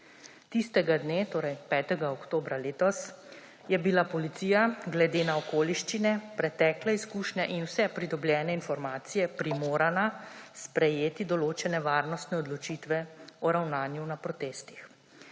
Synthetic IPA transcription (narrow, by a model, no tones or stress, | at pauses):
t̪ist̪ɛɡad̪neːt̪oːɾɛjpɛːt̪ɛɡaɔkt̪oːbɾaleːt̪ɔs | jɛbilapɔlit̪siːjaɡlɛd̪eːnaɔkoːliʃt͡ʃinɛpɾɛt̪ɛːklɛiskuːʃnɛʔinwsɛpɾid̪ɔbljɛːnɛinfɔɾmaːt̪sijɛpɾimoːɾanaspɾɛjeːt̪id̪ɔloːt͡ʃɛnɛʋaːɾnɔst̪nɛɔd̪lɔt͡ʃit̪ʋɛɔɾawnaːnjunapɾɔt̪eːst̪i̥x